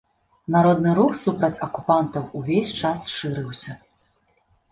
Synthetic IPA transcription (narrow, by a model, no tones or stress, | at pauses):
naɾɔd̪nɨɾuxsupɾɐt͡sʲɐkupant̪ɐwuvʲesʲt͡ʂasʂɨɾɨwsʲɐ